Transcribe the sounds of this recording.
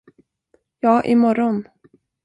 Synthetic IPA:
jɑːʔɪmɔɾɔn

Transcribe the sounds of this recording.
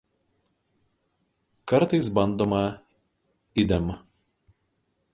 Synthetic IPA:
kɐɾt̪ɐɪsbɐnd̪oːmɐ | ɪd̪ʲɛm

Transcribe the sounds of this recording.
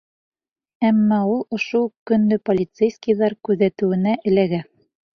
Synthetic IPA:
æmːɑulˠŏʃukɵ̆nd̪ɘpolʲit̪sejskijðɑɾkʉðæt̪ɘ̆wɘ̆næʔɘ̆læɡæ

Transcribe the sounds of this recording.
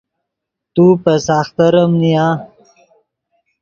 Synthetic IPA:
t̪upəsaːxt̪ɐɾəmnijãː

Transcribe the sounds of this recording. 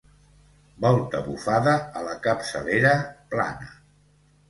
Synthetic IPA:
bɔlˠt̪əβufaðəːləkəpsə̰leɾəpla̰nə

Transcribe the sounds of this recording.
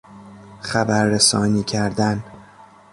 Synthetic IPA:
χæbæɾːesɒːniːcʰæɾd̪æn

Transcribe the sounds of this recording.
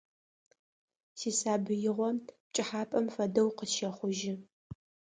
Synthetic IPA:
siːsaːbɨjɪʁʷɔp̚t͡ʃʼɪħaːpʼɐmfɐdɐwqəʃɐχʷʊʒɪ

